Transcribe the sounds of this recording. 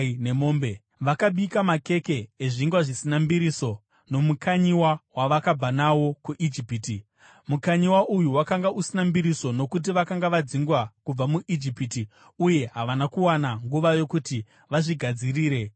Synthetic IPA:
ne̞moːmbe | ʋakaɓikamake̞ke̞ːʐiŋɡwaʐisinambiɾiso̞ | no̞mukʰaɲiwawaʋakab͡vanawo̞kuʔid͡ʒipiti | mukaɲiwaʔujuwakaŋɡausinambiɾiso̞no̞kut̬iʋakaŋɡaʋad͡ziŋɡwakub͡vamuʔid͡ʒipiti | uje̞ɦaʋanakuwanaŋɡuʋajo̞kuti | ʋaʐiɡʱad͡ziriːɾe̞

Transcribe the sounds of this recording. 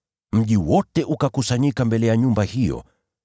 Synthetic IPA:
m̩ʄiwɔtɛʔukakusaɲikambɛlɛjaɲumbahijɔ̰

